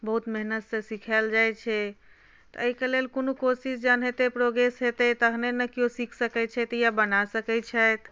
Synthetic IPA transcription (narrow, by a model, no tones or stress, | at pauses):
bəɦut̪meɦnət̪sesikʰɛld͡ʒajt͡ʃʰɛ | t̪ɔəikelelkonokosisd͡ʒanɦet̪epɾoɡɾesɦet̪ɛt̪əɦnenəkijosikʰsəkɛt͡ʃʰɛt̪jabənasəkɛt͡ʃʰɛjt̪